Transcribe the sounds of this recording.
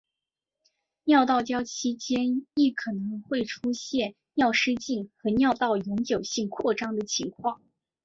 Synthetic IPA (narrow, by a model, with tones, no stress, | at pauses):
njɑ˥˧ʊt̪ɑ˥˩ʊt͡ɕjɑ˥ʊt͡ɕʰi˥t͡ɕjɛ˥ni˥˩kʰɤ˨˩nɤ˧˥ŋxwe˥˩ɪʈ͡ʂʰu˥ɕjɛ˥˧n | njɑ˥˩ʊʂɻ̩˥t͡ɕi˥˩nxɤ˧˥njɑ˥˧ʊt̪ɑ˥˩ʊjʊ˧˥ŋt͡ɕjo˨˩ʊɕi˥˧ŋkʰwɔ˥˩ʈ͡ʂɑ˥ŋd̪ə˨t͡ɕʰi˧˥ŋkʰwɑ˥˩ŋ